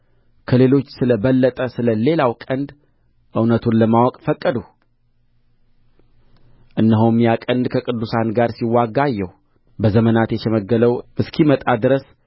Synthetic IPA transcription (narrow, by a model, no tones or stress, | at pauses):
kʰəle̞lo̞t͡ʃːsɨləβəlːət̪ʼəsɨləle̞lawkʼənd̪ | ʔɨwnət̪ʰunləmawɔkʼfəkʼːəd̪u | ʔɨnːəɦowmjakʼənd̪kʰəkʼɨd̪ːusanɡaɾsiwːaɡajːɛh | bəzəmənat̪jɛʃɛməɡːələwmɨskʰimət̪ʼad̪ɨɾəs